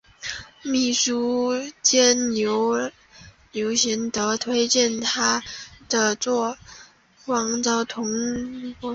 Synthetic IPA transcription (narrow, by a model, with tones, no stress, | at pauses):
mi˥˩ʂu˥t͡ɕjɛ˥njo˧˥ʊ | njo˧˥ʊɕi˧˥nt̪ɤ˧˥t̪ʰwe˥ɪt͡ɕjɛ˥˩nt̪ʰa˥d̪̥ə˨t͡swɔ˥˩ | wɑ˧˥ŋt͡sɑ˥ʊt̪ʰʊ˧˥ŋ˧˥